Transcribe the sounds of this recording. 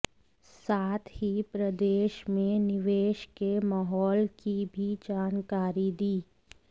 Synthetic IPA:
saːt̪ʰhipɾɐd̪eːʃmẽnɪʋeːʃkemaɦɔːlkibʱid͡ʒaːnkaːɾid̪iː

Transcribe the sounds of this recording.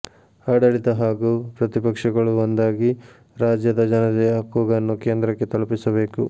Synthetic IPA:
ɐːɽɐɭit̪ɐɦaːɡupɾɐt̪ipɐkʂɐɡɐɭuond̪aːɡi | ɾaːd͡ʒjɐd̪ɐd͡ʒɐnɐd̪ɛjɐkuːɡɐnːukeːnd̪ɾɐkːe̞t̪ɐlupisɐbe̞ːku

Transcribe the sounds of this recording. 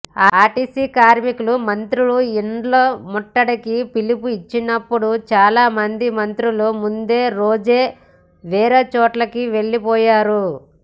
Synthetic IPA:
aaːʈiːsiːkaːɾmikulumɐnt̪ɾuluiɳɖloːmɔʈːɐɽɐkipilipuit͡ʃːinɐpːuɽut͡ʃaːlaːmɐnd̪imɐnt̪ɾulumund̪e̞ːɾoːd͡ʒeː | ʋɛːɾeːt͡ʃɔːʈlɐkiʋe̞ɭːipɔːjaːɾu

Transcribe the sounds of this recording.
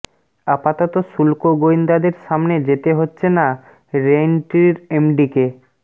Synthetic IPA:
apat̪ot̪oʃulkoɡoind̪ad̪eɾʃamned͡ʑet̪eɦotːɕʰena | ɾenʈiɾemɖike

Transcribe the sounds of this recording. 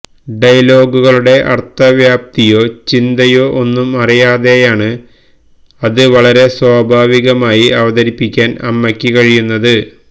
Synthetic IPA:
ɖɐjlo̞ːɡuɣɐɭuɽe̞ʔɐ̰rt̪ːɐʋjaːp̚t̪ijo̞ːt͡ɕind̪ɐjo̞ːʔonːumɐrijaːðe̞jaːɳɨ | ɐðɨʋɐɭɐɾe̞swaːbʱaːʋiɣɐmaːjiɐʋɐðɐɾipːikʲːaːnɐ̰mːɐkʲːikɐɻijunːɐðɨ

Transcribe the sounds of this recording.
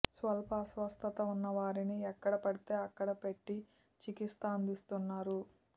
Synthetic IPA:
sʋɐlpɐːsʋɐst̪ʰɐt̪ɐunːɐʋaːɾiniɛkːɐɽɐpɐɽit̪e̞ːɐkːɐɽɐpe̞ʈːi | t͡ʃikist̪aːɐnd̪ist̪unːaːɾu

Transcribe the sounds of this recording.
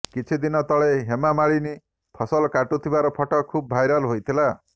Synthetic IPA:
kit͡ʃʰid̪inɔt̪ɔɭeɦemamaɭini | pʰɔsɔlɔkaʈut̪ʰibaɾɔpʰɔʈɔkʰub̚bʱajɾɔlɦojt̪ʰila

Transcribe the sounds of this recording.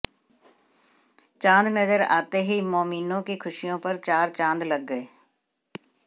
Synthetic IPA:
t͡ʃãːnd̪nəzəɾa̰ːt̪eɦimoːmiːnõkekʰʊʃijõpəɾt͡ʃaːɾt͡ʃãːnd̪lɐɡːəeː

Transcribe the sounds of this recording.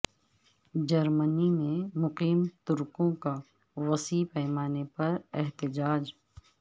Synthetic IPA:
d͡ʒɐɾmənimẽmʊqiːmt̪ʊɾkõka | wɐsiːpɛːmaːnepɐɾɛɦt̪ɪd͡ʒaːd͡ʒ

